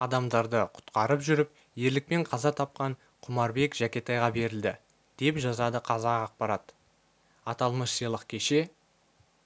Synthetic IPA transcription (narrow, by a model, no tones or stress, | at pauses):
ɑd̪ɑmd̪ɑɾd̪əqʰʊ̥t̪qɑɾəpʒʏɾɪp̚ | je̞ɾlɪk̚pe̞ɴqʰɑzɑt̪ʰɑp̚qɑɴ | qʰʊmɑɾbe̞kʒækʲe̞t̪ɑjʁɑbe̞ɾɪld̪ɪ | d̪̥e̞pʒɑzɑd̪əqʰɑzɑqɑq̚pɑɾɑt̪ | ɑt̪ɑlˠməʃsijlˠəqkʲʰe̞ʃe̞